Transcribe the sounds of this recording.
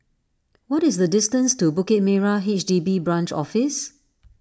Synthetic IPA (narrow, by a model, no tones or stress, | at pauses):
wɔtɪsdədɪstə̃nstubukɪt̚mɛɹaet͡ʃdibibɹãnt͡ʃɔ̰fɪs